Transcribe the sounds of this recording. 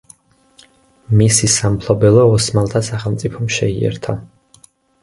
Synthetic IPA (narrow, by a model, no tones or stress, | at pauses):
misisampʰlɔbɛlˠɔːsmalˠt̪ʰasaχɛlˠmt̪sʼipʰɔmʃɛiɛ̰ɾt̪ʰa